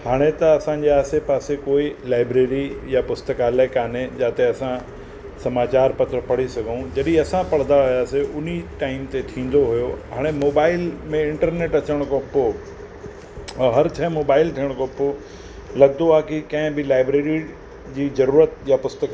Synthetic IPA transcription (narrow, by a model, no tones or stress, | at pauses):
haːɽ̃et̪ɐɐsãɲd͡ʑeaːsepaːsekoːilaːɪbɾeːɾijapʊst̪əkaːlaɪkaːned͡ʑaːt̪eɐsã | sɐmaːt͡ɕaːɾpɐt̪ɾəpɐɽ̤isɐɡʱũd͡ʑɐɗĩɐsãpɐɽ̤d̪aajaːseʊn̤iʈaːɪmt̪et̪ʰĩːn̆d̪oɦujoɦaːɽ̃emoːbaːɪlmẽɪ̃ɳʈəɾneːʈɐt͡ɕəɽ̃koːpo | ɦɐɾt͡ɕʰɐmoːbaːɪlt̪ʰiːəɽ̃koːpo | lɐɡ̚d̪oaɦkikɐ̃ɦɪ̃bɪlaːɪbɾeːɾi | d͡ʑiːzɐɾuːɾət̪japʊst̪ək